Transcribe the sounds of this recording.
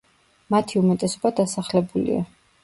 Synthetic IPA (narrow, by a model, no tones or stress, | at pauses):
mat̪ʰiumɛt̪ʼɛsɔbad̪asaχlɛbulḭa̰